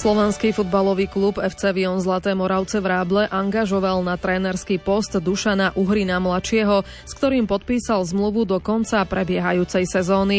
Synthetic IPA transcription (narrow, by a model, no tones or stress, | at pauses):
slɔʋɛnskifud̪balɔʋiːklubɛft͡sɛʋiɔnzlat̪ɛːmɔɾaʊt͡sɛʋɾaːblɛʔaŋɡaʒɔʋalnat̪ɾɛːnɛɾskipɔst̪d̪uʃanaʔuɦɾinamlat͡ʃɪɛɦɔ | skt̪ɔɾiːmpɔt̪̚piːsalzmluʋud̪ɔkɔnt͡sapɾɛbɪɛɦajuːt͡sɛjsɛzɔːni